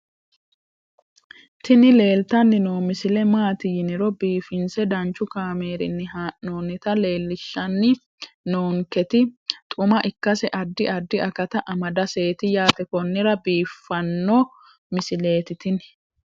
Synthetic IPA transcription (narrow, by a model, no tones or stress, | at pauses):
t̪ʰɪnɪle̞ːlt̪ɐnːɪno̞ːmɪsɪlɛmaːt̪ɪjɪnɪɾɔbiːfɪnsɛd̪ɐnt͡ʃːʊkaːme̞ːɾɪ̰nːɪhaːʔnoːnɪt̪ɐle̞ːlːɪʃːɐnːɪ | noːŋkɛt̪ɪt̪ʼʊmɐʔɪkːɐsɛʔɐd̪ːɪʔɐd̪ːɪʔɐkɐt̪ɐʔɐmɐd̪ɐse̞ːt̪ɪjaːt̪ɛkɔnːɪɾɐbiːfːɐnːɔ | mɪsɪle̞ːt̪ɪt̪ɪn